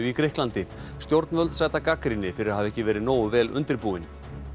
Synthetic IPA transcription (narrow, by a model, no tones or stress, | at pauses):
ikɾɪhklant̪ɪ | st̪jowɾt̪nvœlt̪saːjt̪akakɾinːɪfɪɾɪɾaðhavɛhcɪvɛːɾɪðnoːwʏvɛːlʔʏ̰nt̪ɪɾpuːɪn